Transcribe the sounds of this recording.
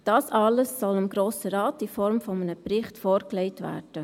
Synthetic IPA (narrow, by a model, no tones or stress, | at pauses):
d̥ɑːsɑləsːɔlɑmɡɾoːsəɾɑːtifɔɾmfɔmənəprɪχtfoːɾklɛɪtvæ̰ːrd̥ə